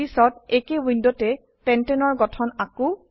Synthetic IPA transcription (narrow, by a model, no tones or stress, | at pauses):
isɔtekewindɔtɛ | pɛntɛnɔɹɡɔtʰɔnakʊ